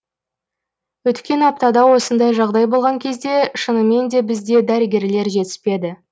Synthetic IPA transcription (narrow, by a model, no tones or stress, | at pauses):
wɵt̪kʲe̞nɑp̚t̪ɑd̪ɑwo̞sənd̪ɑjʒɑʁd̪ɑjbo̞lˠʁɑŋkʲʰe̞zd̪e̞ʃənəme̞nd̪e̞bɪzd̪e̞d̪æɾəɡʲe̞ɾle̞ɾʒe̞t̪ɪ̥spe̞d̪ɪ